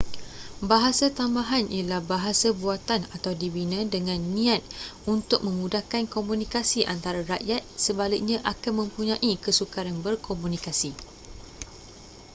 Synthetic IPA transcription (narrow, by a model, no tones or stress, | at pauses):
baɦasat̪ambaɦanʔilahbaɦasabuat̪anat̪awdibinãdəŋãnːĩat̪̚unt̪ʊk̚mə̃mudahkankomũnĩkasiʔant̪aɾaɾaʔjat̪̚səbalɪk̚ɲãʔakanmə̃mpuɲãʔikəsukaɾanbərkʰomũnikasi